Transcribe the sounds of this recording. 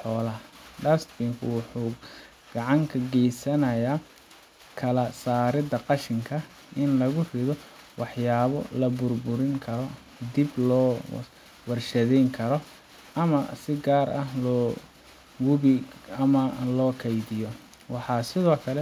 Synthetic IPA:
ħɔːlɐːɖɐst̪biŋkʰʊwʊħuː | ɡ̥ɑʕɑŋkʰɐɡɛjsɐnɐjaː | kʰɐlɐsaːɾɪd̪ɐqɑʃɪŋkʰɐ | ʔɪnlɐɣʊrɪðɔ | wʔɑħjaːβɔlɐbʊrbʊɾɪŋkʰɐɾɔ | d̪ɪblɔ̰ː | wɐrʃɐðɛjŋkʰɐɾɔ | ɐmɐsɪɡaːɾɐhlɔː | ɡʊɐmɐlɔːkʰɛjðɪjɔ | wɑħɑsɪðɔːkʰɐlɛ

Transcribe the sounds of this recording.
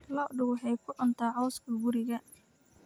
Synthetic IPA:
lɔːɖʊɣʊħɛjkʰʊʕʊnt̪ʰaːʕɔwskʰɐɡʊɾɪɣɐ

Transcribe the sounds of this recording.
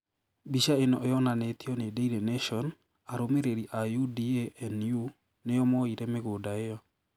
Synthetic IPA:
biʃaenɔʔejɔnanetiɔnedeiɾenɛʃɔn | aɾomeɾeɾiʔajudieʔɛnju | nejɔmɔiɾɛmeɣodaejɔ

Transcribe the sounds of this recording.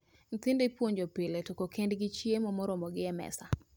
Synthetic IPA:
ŋ̩t̪ɪndepwoɲd͡ʒopɪletokokʰendɡɪt͡ʃjemɔmɔɾɔmɔɡɪɛmɛ̰sa

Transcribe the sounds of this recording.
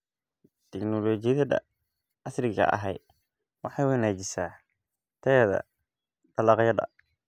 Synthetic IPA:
t̪ʰɛɡnɔlɔːt͡ʃɪjðɐdɐ̰ | ɐsrɪɣɐ̰ʔɐ̰ɦɛj | wɑħɑjwɛnaːt͡ʃɪsaː | t̪ʰɛːðɐ̰ | d̪̥ɐlɑːqjɐdɐ̰

